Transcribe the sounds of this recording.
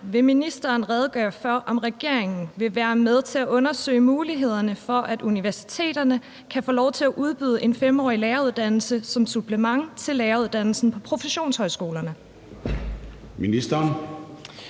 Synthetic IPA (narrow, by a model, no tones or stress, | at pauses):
ʋe̝minisd̥ɐːnʁɛð̞ˠɡ̥ɶːɐfɶɐ̰ʔɒ̽mʁɛɡ̥e̝ɐ̰e̝ŋn̩ʋe̝ʋæːɐmeð̞ˠt͡sʰe̝læʔɔ̽nɐsø̰ːɪmuːliɦe̝ð̞̰ˠɐnəfɒ̽ʔæd̥uniʋæɐsi̥t͡sʰe̝̰ːd̥ɐnə | kʰæfɔ̝ːlɒʊt͡sʰe̝læʔuð̞ˠb̥yð̞ˠəʔe̝nfemɒ̰ːileːɐuð̞ˠd̥ænl̩səsɒ̽msub̥ʰləmɑ̈ŋt͡sʰe̝lːeːɐuðˠd̥æn̰l̩sn̩pʰɒ̽pʰʁo̝fəɕo̝̰ːnshɒ̽ɪsɡ̥o̝ːlɐnə | minisd̥ɐn